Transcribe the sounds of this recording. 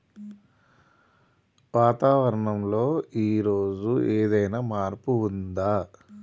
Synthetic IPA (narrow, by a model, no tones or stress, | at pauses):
ʋaːt̪aːʋɐɾɐɳɐmlo̞ːiːɾo̞ːd͡ʒueːd̪ɐjnaːmaːɾpuːnd̪aː